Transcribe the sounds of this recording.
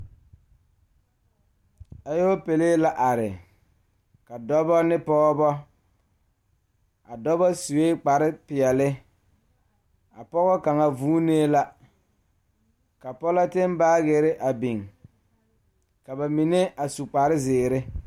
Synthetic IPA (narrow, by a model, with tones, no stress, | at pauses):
a˨jo˦pe˨leː˦la˦ʔa˨ɾɪ˨ | ka˨dɔ˦bɔ˦nɪ˦pɔ˦ɣɔ˦bɔ˦ | a˨dɔ˦bɔ˦su˨we˦k͡pa˨ɾɪ˦pɪ˨ɛ˨lɪ˦ | a˨pɔ˦ɣɔ˦ka˨ŋa˨vuː˦neː˦la˦ | ka˨pɔ˦la˦tɪ˦m˦baː˦ɣe˨ɾɪ˦ʔa˨bi˨ŋ | ka˨ba˨mi˨ne˦a˨su˨k͡pa˨ɾɪ˦zɪː˨ɾɪ˦